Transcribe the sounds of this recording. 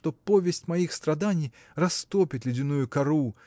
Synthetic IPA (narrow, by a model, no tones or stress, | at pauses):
t̪opovʲɪsʲt͡sʲmɐjixst̪ɾɐd̪anʲij | rɐst̪opʲɪt̪ʲlʲɪdʲɪnujʊkaɾu